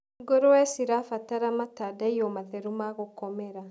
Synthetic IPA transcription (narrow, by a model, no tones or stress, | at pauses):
ɡoɾowɛsiɾaːfataɾamatadaijomaθɛɾumaɣokɔmɛɾa